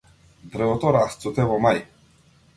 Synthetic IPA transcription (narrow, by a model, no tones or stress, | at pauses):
d̪ɾəɔt̪ɔɾast̪sut̪ɛvɔmaj